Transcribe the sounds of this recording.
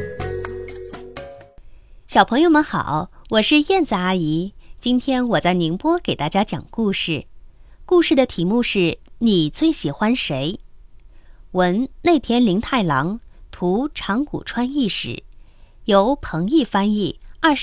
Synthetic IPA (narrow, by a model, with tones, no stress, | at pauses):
ɕjɑ˨˩ʊpʰɤ˧˥ŋjo˧ʊmə˧˦nxɑ̰˨˩˦ʊwɔ˨˩ʂɻ̩˥˧jɛ˥˧nt͡sɹ̩˥˩a˥i˧˥t͡ɕi˥nt̪ʰjɛ˥nwɔ˨˩t͡sa˥˩ɪni˧˥ŋpwɔ˥ke˨˩ɪt̪a˥˩t͡ɕja˥t͡ɕjɑ̰˨˩ŋku˥˧ʂɻ̩˥˩ | ku˥˧ʂɻ̩˥˩d̪ə˩t̪ʰi˧˥mu˥˧ʂɻ̩˥˩ni˨˩t͡swe˥˩ɪɕi˨˩xwa˥nʂe˧˥ɪ | wə˧˥nne˥˩ɪt̪ʰjɛ˥nli˧˥ŋt̪ʰa˥˩ɪlɑ˧˥ŋt̪ʰu˧˥ʈ͡ʂʰɑ˧˥ŋkṵ˨˩ʈ͡ʂʰwa˥ni˥˩ʂɻ̩̰˨˩˦jo˧˥ʊpʰɤ˧˥ŋi˥˩fa˥ni˥˩ɐ˥˩